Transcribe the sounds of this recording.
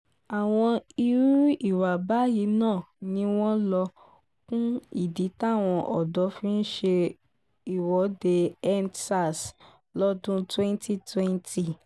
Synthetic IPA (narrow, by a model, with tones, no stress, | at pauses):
a˨w̃ɔ̃˧i˧ɾu˦i˨wa˨ba˨˦ji˨˦nãː˦˨nĩ˧w̃ɔ̃˦lɔ˧ | kũ˦i˦˨di˨˦ta˦˨w̃ɔ̃˧ʔɔ˨dɔ˨˦fĩ˧ñ̩˦ʃe˧ | i˨wɔ˨˦de˧ɛ˦nsa˦˨s | lɔ˦dũ˦twɛ̃˦n˦tʰi˦twɛ̃˦ntʰi˨